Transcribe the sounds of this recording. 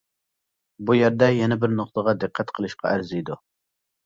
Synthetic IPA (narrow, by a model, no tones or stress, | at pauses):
bujæɾd̪ɛjɛnɛbɪɾnoq̚t̪əʁɑd̪ɨqʰːæt̪qʰəlˠɨʃqʰɑ̰æɾzijd̪u